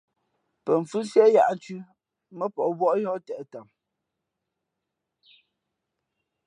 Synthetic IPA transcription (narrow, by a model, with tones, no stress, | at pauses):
pə˨ɱ̩˨fʉ˦sɛ˦ja˦ʔn̩˨˦t͡ʃʉ˦ | mə˦pɔ˨ʔbwɔ˦ʔjɔ˦tɛ˨ʔta˨m